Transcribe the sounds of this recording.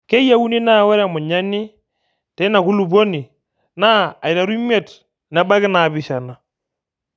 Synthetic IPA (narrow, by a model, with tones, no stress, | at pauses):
ke˦ja˦wu˦ni˦na˦˨wɛ˦ɾa˨mu˨ɲa˦ni˦ | tɛ˨˦na˨ku˦lu˨bo˦ni˨ | na˦a˨jɾa˨ɾu˦mɛ˦˨t | na˨˦ba˦kɪ˦na˨bi˨ʃa˨na˨